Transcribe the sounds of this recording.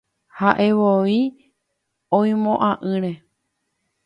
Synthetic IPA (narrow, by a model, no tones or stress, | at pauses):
haʔe̞ʋoi | õĩmõʔãʔɨ̃ɾe̞